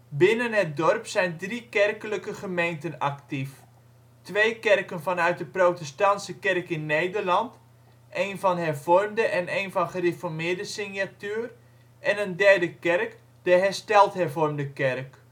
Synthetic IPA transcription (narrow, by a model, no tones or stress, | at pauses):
bɪnənɦət̚dɔrpsɛjndrikɛrkələkəχəmejntənaktif | tʋejkɛrkənfɔnœɥt̚dəprowtɛstɑntsəkɛrkɪnːejdərlɑnt | ʔeːnfɔnɦɛrvɔrmdəʔɛneːnfɔnχərefɔrmɪːdəsɪnjatyːr | ʔɛnəndɛrdəkɛrk | d̥əɦɛrstɛlˠthɛrvɔrmdəkɛrk